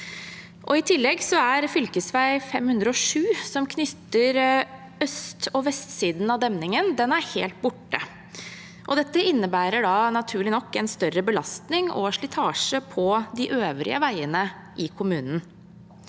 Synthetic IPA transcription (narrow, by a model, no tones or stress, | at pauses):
ʔɔɪt̪ʰɪlːɛɡsɔæɾfʏlkəsʋæɪfɛmhʉnd̪ɾəɔʂʉːsɔmkʰnʏt̪ːəɾ | œst̪ɔʋɛst̪siːd̪nɑd̪ɛmnɪŋənd̪ɛnæɾheːlt̪̚bʊʈːə̰ | ʔɔd̪ɛt̪ːəɪnːəbæːɾəɖɑnɑt̪ʰʉːɭɪnɔkːɛnst̪œɾəbəlɑst̪nɪŋɔ̰ʂɭɪt̪ʰɑːʂəpʰɔd̪ɪʔøːʋɾɪ̰ə̰ʋæɪənə | ʔɪkʰʊmʉːnn